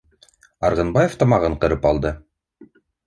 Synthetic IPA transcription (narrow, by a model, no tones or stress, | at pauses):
ɑɾʁɤ̆nbɑjeft̪ɑmɑʁɤɴqɤ̆ɾɤpɑlˠd̪ɤ